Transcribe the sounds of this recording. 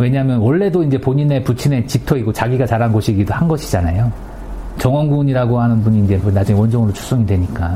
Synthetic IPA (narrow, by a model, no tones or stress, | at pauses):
we̞ɲaɦmjʌnwʌɭːe̞doind͡ʑe̞poɲine̞put͡ɕʰine̞t͡ɕik̚tʰʌiɡot͡ɕaɡiɡat͡ɕaɾɦannɡoɕʰiɡidohanɡʌɕʰid͡ʑanajo | t͡ɕʌŋʌnɡuɲiɾaɡohanɯnbuɲiːnd͡ʑe̞mnad͡ʑuŋewʌnd͡ʑʌŋɯɾot͡ɕʰu̥s͈ʌŋidwe̞ɲik͈a